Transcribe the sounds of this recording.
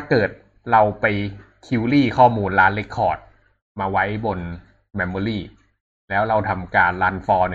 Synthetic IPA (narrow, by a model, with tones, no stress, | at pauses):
t̪ʰaː˥˩kɤː˨˩t̪̚ | ɾa˧wpa˧j | kʰi˦˥wliː˥˩kʰɔː˥˩muː˧nɾaː˦˥nle˦˥kʰːɔː˨˩t̪̚ | maː˧wa˦˥jbo˧n | mɛ˦˧mːɔː˧˩ɾiː˥˩ | lɛː˦˥wɾa˧wt̪ʰa˧mkaː˧nlaː˦˥nfɔː˧nɯ˨˩